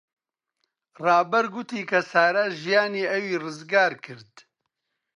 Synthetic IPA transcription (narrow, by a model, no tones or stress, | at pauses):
rɑːbɐɾɡʊt̪iːkʰɐsaːɾɐʒijaːniːɐwiːrɨzɡaːɾkʰɨɾd̪